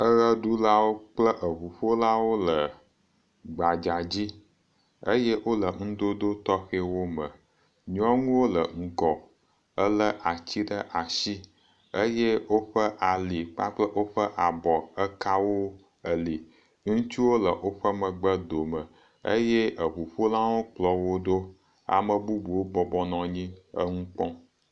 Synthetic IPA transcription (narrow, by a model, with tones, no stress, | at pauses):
ə˦ɣə˦ɖu˦la˦wo˦k͡plə˦ʔə˨ɸu˨ɸo˦la˦wo˦lə˨ | ɡ͡ba˨d͡ʒa˨d͡ʑi˦ | ə̰˦je˦wo˦lə˨ŋ̩̃˦d̪o˦d̪o˦t̪ɔ˦xe˦wo˦mə˨ | ɲ˦ɔ̃˦ŋũ˦wo˦lə̰˨ŋ̩˦kɔ˨ | ə˦lə˦ʔa˨t͡ɕi˦ɖə˦ʔa˨ʃi˦ | ə˦je˦wo˦ɸə˦ʔa˨li˨k͡pa̰˦k͡plə˦ʔo˦ɸə˦ʔa˨bɔ˨ə˦ka˦wo˦ | ə˨li˨ | ŋũ˦t͡ʃi˦wo˦lə˨ʔo˦ɸə˦mə˨ɡ͡bə˦d̪o˨mə˨ | ə̰˦je˦ʔə˨ɸu˨ɸo˦lã˦wo˦k͡plɔ˨wo˦d̪o˦ | a̰˨mə˨bu˦bu˨wo˦bɔ˨bɔ˦nɔ̃˨ɲĩ˦ə̰˦ŋũ˦k͡pɔ̃˦